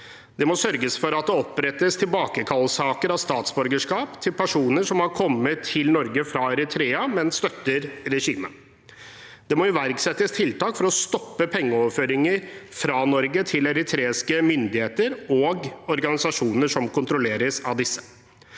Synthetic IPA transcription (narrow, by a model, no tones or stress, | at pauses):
d̪̥ɛmɔsœɾɡəsfɔɾɑt̪̚d̪ɛɔpɾɛt̪ːəst̪ʰɪlbɑːkəkʰɑlːsɑːkəɾɑʋst̪ɑːt̪sbœɾɡəʂkɑːpt̪ʰɪlpʰæʂuːnəʂɔmhɑɾkʰɔmːət̪ʰːɪlnɔɾɡəfɾɑɛɾɪt̪ʰɾeːɑmɛnst̪œt̪ːəɾɾɛʂiːmən | d̪ɛmɔjʊʋæɾɡsɛt̪ːəst̪ʰɪlt̪ɑːkfɔɾɔst̪ɔpːəpʰɛŋːəɔʋføːɾɪŋəɾfɾɑnɔɾɡət̪ʰɪlɛɾɪt̪ʰɾeːɪskəmʏnd̪ɪheːt̪əɾɔɡɔɾɡɑnɪsɑʂuːnəʂɔmkʊnt̪ɾʊleːɾəsɑʋd̪ɪsːə̥